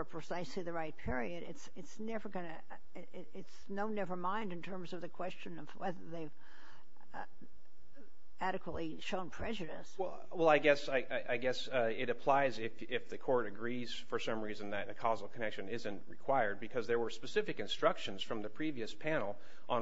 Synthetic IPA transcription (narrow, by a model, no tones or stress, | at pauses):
ə˞pʰɹ̥ɨsaɪsliðɨɹaɪt̚pʰɪɹiɨɾɪ̰tsɨtsnɛvə˞ɡʌ̃nɨ | ɪts | noʊnɛvə˞mãɪ̃ndɨ̃n̩tʰɜ̃˞mzʌvðɨkʰw̥ɛst͡ʃɨ̃nʌv̥wɛðə˞ðeɪv | æɾɨkwətˡli | ʃõʊ̃npʰɹ̥ɛd͡ʒɨɾɨswɛ | wɛlˠaɪɡɛsaɪʔaɪʔaɪɡɛsɪɾɨpʰl̥aɪzɪf | ɪfðɨkʰɔɹɾɨɡɹiz̥fə˞sʌ̃mɹizɨ̃nðɨt̪̚ðɨkʰɑzl̩ˠkʰənɛkʃɨ̃nɪzɨ̃nʔɹɨkʰw̥aɪə˞d̚bɨkʰʌzðə˞wə˞spɨsɪfɨkɨ̃nstɹ̥ʌkʃɨ̃nz̥fɹʌ̃mðɨpʰɹ̥iviɨspʰæ̃nl̩ˠ | ʔə̃